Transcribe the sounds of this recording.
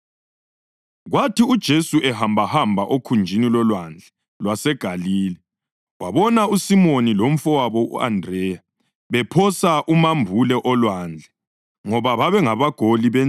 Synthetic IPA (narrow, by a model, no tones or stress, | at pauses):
ɣwatʰiud̥ʒ̥ʱesuʔɛhambʱahambʱaʔokʰund͡ʒʱinilɔlwand͡ɮʱɛ | lwasɛɡ̥ʱaliːlɛ | waβɔnausimonilom̩fɔwaβɔṵa̰ndrɛja | βɛpʰɔsaʔumambʱulɛʔɔlwand͡ɮʱɛ | ŋɔβaβaβɛŋaβaɡ̥ʱoliβɛ